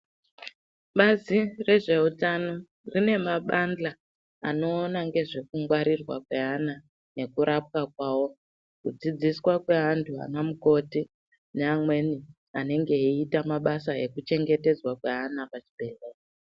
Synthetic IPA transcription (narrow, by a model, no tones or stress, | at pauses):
ɓazire̞ʐe̞utano̞ | rine̞maɓand͡ɮaː | no̞ːnaŋɡe̞ʐe̞kuŋɡwaɾirwa̰kwe̞ana | ne̞kuɾap̚kak̚wawo̞ | kud͡zid͡ziswakwe̞ɦantʰua̰namuko̞ti | neamwe̞ni | ane̞ŋɡe̞itamaɓasae̞kut͡ʃe̞ŋɡe̞te̞d͡zwakweanapat͡ʃi̥bʱe̞leːka